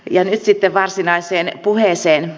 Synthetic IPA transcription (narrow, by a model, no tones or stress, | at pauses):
jɑnyt̪sit̪ːeʋʋɑrsinɑiseːnpuheˑseːn